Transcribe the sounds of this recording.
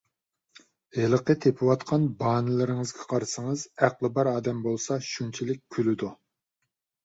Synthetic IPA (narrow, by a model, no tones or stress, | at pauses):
helˠəqʰət̪ʰepʰɪwɑt̪qʰɑnbɑːnɪlˠɪɾɪŋɨzɡʲɛqʰɑɾsɨŋɨzæqlˠɨbæɾɑːd̪ɛmbolˠsɑʃunt͡ʃʰilɪk̚ʲkʲʰːylɪd̪u